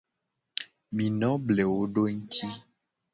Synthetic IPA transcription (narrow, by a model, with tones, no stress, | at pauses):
mĩ˨nɔ̃˦ble˨wo˦ɖo˦ŋ̩˦t̪i˦